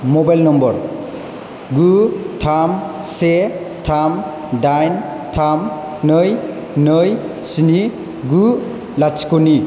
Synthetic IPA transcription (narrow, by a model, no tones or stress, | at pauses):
mɔbajlnɔmbɔɾ | ɡutʰamse | tʰam | dajn | tʰam | nɯj | nɯj | sini | ɡu | lat͡ʃkoni